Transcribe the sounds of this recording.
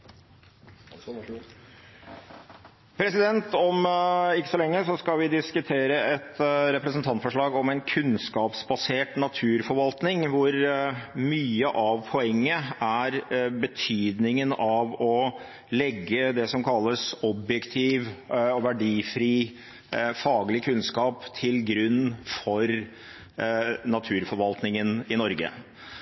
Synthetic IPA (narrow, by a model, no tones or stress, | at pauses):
pʰɾɛsɪd̪ɛnt̪ɔmɪkːə̥sɔlɛŋːəsɔskɑʋɪd̪ɪskʉt̪ʰeːɾəɛt̪ɾɛpɾəsnt̪ʰɑnt̪fɔʂɭɑːɡɔmɛnkʰʉnskɑːpsbɑseːʈnɑt̪ʰʉːɾfɔɾʋɑlt̪nɪŋʋʊɾmyːəʔɑʋpʰɔɛŋːəæɾbət̪ʰyːd̪nɪŋənɑʋɔ | lɛɡːəd̪ɛsɔmkʰɑlːəsɔbjɛkt̪ʰiːʋɔʋæɖiːfɾiː | fɑːɡəlɪkʰʉnskɑːpt̪ʰɪlɡɾʉnːfɔɾ | nɑt̪ʰʉːɾfɔɾʋɑlt̪nɪŋənɪnɔɾɡə̰